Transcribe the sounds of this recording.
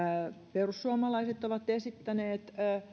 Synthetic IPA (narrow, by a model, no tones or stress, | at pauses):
perusːuɑmɑlɑiset̪oʋɑt̪esit̪ːæneːt̪ː